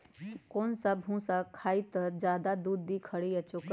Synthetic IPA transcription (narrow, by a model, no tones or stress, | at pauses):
koːnsabɦũsakʰaːit̪əɾd͡ʒjaːd̪ad̪uːd̪ːikʰəɽiɛt͡ʃʊk